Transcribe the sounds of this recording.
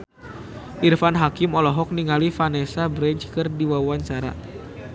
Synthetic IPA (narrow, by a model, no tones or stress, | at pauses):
ʔirfanɦakimɔlɔɦɔk̚niŋalifanɛsabɾɛɲt͡ʃkɨrdiwawaɲt͡ʃaɾa̰